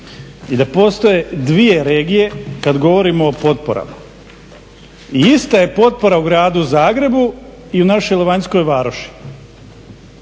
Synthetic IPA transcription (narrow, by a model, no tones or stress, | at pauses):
id̪apo̞st̪oje̞d̪ʋije̞ɾe̞ːɡije̞kad̪ɡo̞ʋo̞ɾimoːpo̞t̪̚po̞̰ɾa̰ma | iist̪aje̞po̞t̪̚po̞ɾauɡɾaːd̪uzaːɡɾe̞bu | iunaʃojleʋaɲsko̞jʋaːɾoʃi̥